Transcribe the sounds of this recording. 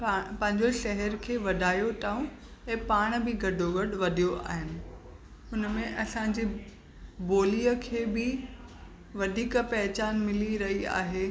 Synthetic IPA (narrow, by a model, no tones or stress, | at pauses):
pɐ̃ɦɪ̃ɲd͡ʑoʃɐɦɛɾkʰeːʋɐɗʱaːjoʈaːũ | ɛ̃ːpaːɽ̃bɪɡɐɖʱoɡɐɖʋɐd̪ʱijoa̰ːɦɪnɪ̆ | ʊnmẽʔɐsãd͡ʑiː | boːlijəkʰeːbɪ | ʋɐd̪ʱiːkpɛɦt͡ɕaːnmɪliɾɐɦia̰ːɦeː